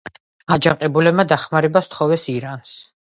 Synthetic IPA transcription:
ad͡ʒaqʼɛbulɛb̚mad̪aχmaɾɛbast̪ʰχɔvɛsiɾans

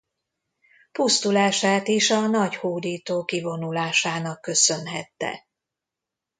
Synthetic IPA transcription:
pust̪ulaːʃaːt̪iʃɒnɒɟhoːd̪iːt̪oːkivo̞nulaːʃaːnɒkːø̞sø̞nɦɛ̰t̪ːɛ̰

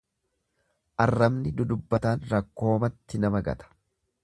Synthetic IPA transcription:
ʔɐrːɐmnɪd̪ʊd̪ʊbːɐt̪aːnɾɐkːo̞ːmɐt̪ːɪnɐmɐɡɐ̰t̪ɐ̥

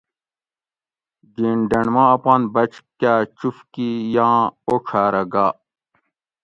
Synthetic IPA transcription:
ɡiːɳɖɐnmãːɐpãːnbɐt͡ɕkaːt͡ɕufkijãːokʰaːɾɐɡaː

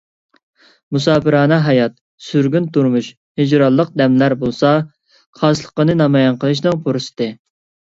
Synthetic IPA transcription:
musɑːpɨɾɑːnɑɦɑjɑt̪̚ | syɾɡʲynt̪uɾmuʃ | hid͡ʒɾɑlˠːəq̚d̪ɛmlæɾbolˠsɑ | qʰɑslˠə̥qənɨnɑmɑjɑnqʰəlˠɨʃ̬nɨŋpʰoɾɨsɨ̥d̪ɨ

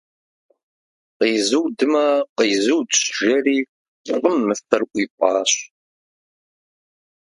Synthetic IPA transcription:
qiːzɨwdɨmɐqəːzɨwdɕʒɐriː | qʷəmːɨtɐrʔʷiːpʷʼɑːɕ

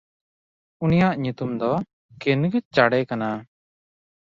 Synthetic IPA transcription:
unijaʔɲut̪umd̪ɔ | kenɡɛt͡ʃaɽɛkana

